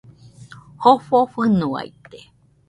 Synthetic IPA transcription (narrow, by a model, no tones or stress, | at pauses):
hoɸofɨnua̰jt̪e